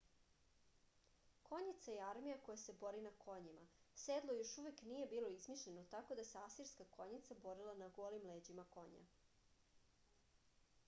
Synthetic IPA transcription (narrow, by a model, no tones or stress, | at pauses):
ko̞ɲit̪sajeaɾmijako̞jase̞bo̞ɾinakʰo̞ɲimased̪lˠo̞jo̞ʃuʋeknije̞biːlo̞izmiʃʎenot̪ako̞d̪aseasiɾskakʰo̞ɲit̪sabo̞ɾilˠanaɡoːlimleːd͡ʑimako̞ɲa̰